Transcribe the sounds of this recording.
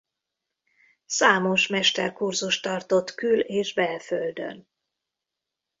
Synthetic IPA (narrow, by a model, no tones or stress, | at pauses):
saːmo̞ʃmɛʃt̪ɛrkurzuʃt̪ɒrt̪o̞t̪kyleːʒbɛlføld̪ø̰n